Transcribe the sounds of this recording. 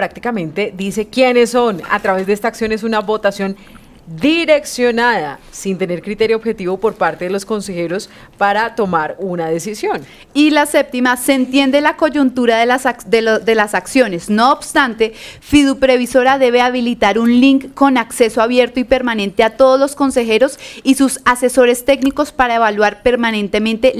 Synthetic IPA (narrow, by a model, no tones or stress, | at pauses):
pɾak̚t̪i̥kamẽ̞nt̪e̞d̪ise̞kjenesːo̞na̰t̪ɾaβe̞zd̪eest̪aksjo̞nes̬unaβo̞t̪asjo̞n | d̪iɾe̞ksjo̞naðasint̪ene̞ɾkɾit̪e̞ɾjooːβxet̪iβo̞po̞ɾpaɾt̪e̞ðelo̞sko̞nse̞xe̞ɾo̞s | paɾat̪o̞maɾunaðe̞sisjo̞n | ilase̞p̚t̪imase̞nt̪je̞nd̪elako̞d͡ʒunt̪uɾaðesd̪ed̪e̞lasaksjo̞ne̞sno̞ːbst̪ant̪e̞fiðupɾe̞βiso̞ɾaðe̞βeaβ̞ilit̪aɾunliŋkːo̞nakse̞soaβje̞ɾt̪oipe̞ɾmanẽ̞nt̪eat̪o̞ð̞ozlo̞sko̞nse̞xe̞ɾo̞sisusase̞so̞ɾe̞st̪e̞kniko̞spaɾaeβalwaɾpe̞ɾmanẽ̞nt̪e̞mẽ̞nt̪e̞